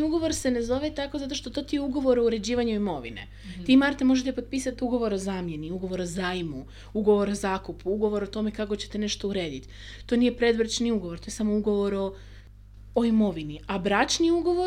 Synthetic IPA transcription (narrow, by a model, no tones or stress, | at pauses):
uɡoʋo̞ɾse̞ne̞zo̞ʋet̪ako̞zat̪o̞ʃt̪o̞t̪o̞t̪ijeuɡo̞ʋo̞ɾo̞uɾe̞d͡ʑiːʋaɲuoimo̞ʋḭnḛ | t̪imaɾt̪emo̞ʒet̪epo̞t̪̚piːsat̪uɡo̞ʋo̞ɾo̞zaːmje̞niuɡo̞ʋo̞ɾo̞zaːimu | uɡo̞ʋo̞ɾo̞zaːkupuuɡo̞ʋo̞ɾot̪o̞me̞kakot͡ɕe̞t̪e̞ne̞ʃt̪ouɾe̞ːd̪it̪ | t̪o̞nijepɾe̞d̪ʋɾ̩t͡ʃniuɡoʋo̞ɾt̪o̞jsamouɡo̞ʋo̞ɾo̞ː | imo̞ʋiniabɾat͡ʃniuɡo̞ʋo